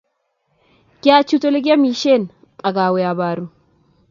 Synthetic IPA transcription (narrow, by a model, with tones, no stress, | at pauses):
ɡ̥ʲa˦t͡ʃu˦to˦lɡʲa˦mi˨ʃe˦˨n | a˨ɡa˨we˨˦ja˨ba˦ɾu˦